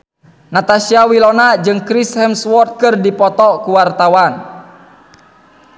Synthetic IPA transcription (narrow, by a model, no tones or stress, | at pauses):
nat̪asiawilɔnad͡ʒɨŋkɾishɛmswɔrt̪̚kɨrdipɔt̪ɔkuwart̪awan